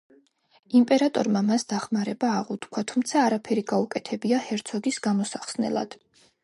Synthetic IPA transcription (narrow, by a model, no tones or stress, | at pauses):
impʼɛɾat̪ʼɔ̰ɾmamasd̪aχmaɾɛbaːʁut̪kʰwat̪ʰumt̪sʰaːɾapʰɛɾiɡaukʼɛt̪ʰɛbiahɛɾt̪sʰɔɡisɡamɔsaχsnɛ̰lˠa̰d̪̥